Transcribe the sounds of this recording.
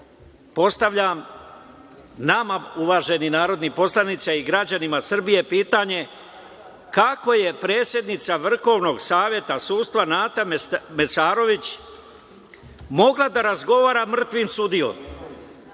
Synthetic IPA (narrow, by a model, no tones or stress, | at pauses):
po̞st̪aʋʎam | namauʋaːʒe̞ninaːɾo̞d̪nipo̞slˠanit̪saiɡɾad͡ʑanimasr̩bije̞piːt̪aɲe̞ | kako̞je̞pɾe̞ːt̪sje̞d̪nit̪saʋr̩xo̞ʋno̞ɡsaːʋje̞t̪asuːst̪ʋanaːt̪amesaːɾo̞ʋit͡ɕ | mo̞ɡlad̪aɾazɡo̞ʋaːɾamr̩t̪ʋimsud̪io̰m